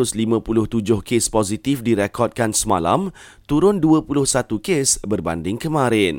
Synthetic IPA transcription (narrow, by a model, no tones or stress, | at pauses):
ʊslimãpulʊht̪ud͡ʒʊhkespozit̪ifdiɾekɔd̪̚kansəma̰la̰m | t̪uɾʊnduəpulʊhsat̪ukesbərba̰ndɪŋkəmãɾɪn